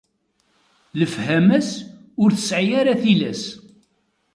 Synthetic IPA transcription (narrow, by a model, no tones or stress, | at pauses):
ləfhæmæs | ʊɾθə̥sʕjaɾaθilæs